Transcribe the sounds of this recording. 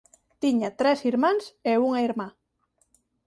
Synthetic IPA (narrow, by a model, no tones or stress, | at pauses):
t̪iɲat̪ɾɛsiɾmãŋseuŋaiɾma